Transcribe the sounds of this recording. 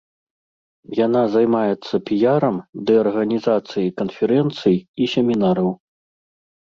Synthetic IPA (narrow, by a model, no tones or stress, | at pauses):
janazajmajɛt̪sːɐpʲijaɾɐmd̪ɛɐrɣɐnʲizat̪sɨjikɐnfʲɛɾɛnt̪sɨjisʲɛmʲinaɾɐw